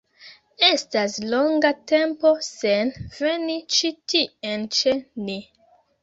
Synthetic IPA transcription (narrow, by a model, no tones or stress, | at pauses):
estasloŋɡatempo̞senvenit͡ʃitient͡ʃeni